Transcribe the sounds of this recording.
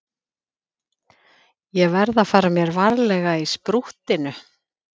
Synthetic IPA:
jɛɣvɛɾðaðfaːɾamjɛɾvaɾlɛɣaispɾuht̪ɪnʏ

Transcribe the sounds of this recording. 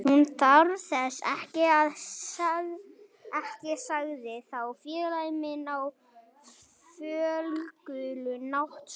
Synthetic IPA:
hunt̪ʰaɾθɛsɛ̰hcɪaðaɣ | ɛhcɪsaɣðɪθawfjɛːlajmɪnaw | fœːlkʏlʏnawht̪

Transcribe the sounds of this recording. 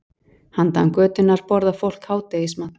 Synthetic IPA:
hant̪a̰nkœːt̪ʏnːaɾ̥pɔɾðafowl̥khaːwt̪eisma

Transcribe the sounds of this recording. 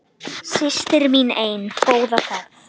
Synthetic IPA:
sɪst̪ɪɾminejnt̪ʰoːwðaka

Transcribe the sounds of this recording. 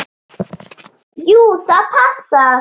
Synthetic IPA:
juːsapʰasa

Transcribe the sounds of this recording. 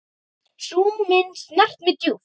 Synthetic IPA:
suːmɪnsnaht̪mɪt̪ju

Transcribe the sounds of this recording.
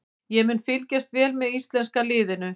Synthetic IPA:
jɛmʏnfɪlcast̪vɛːlmɛðist̪lɛnskalɪːðɪnʏ

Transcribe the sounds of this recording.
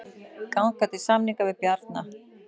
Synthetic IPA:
kawnkat̪ɪsamniŋkavɪðpjaɾt̪na

